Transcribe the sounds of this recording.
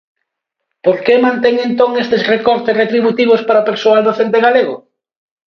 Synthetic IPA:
poɾkemãnt̪eŋent̪oŋest̪esrekɔɾt̪esret̪ɾiβut̪iβ̞ospaɾapeɾsoald̪oθent̪eɣaleɣʊ̰

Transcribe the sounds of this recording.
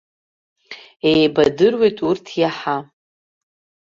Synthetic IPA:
ejbadɨrwe̞jtʼurtʰjaħa

